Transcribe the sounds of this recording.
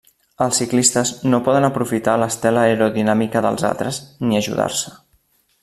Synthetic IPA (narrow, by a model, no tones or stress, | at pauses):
əlˠsiklist̪əznopɔðənəpɾufit̪aləst̪ɛləəɾuðinamikəðə̰lˠza̰lt̪ɾəzniəʒṵða̰ɾsə̥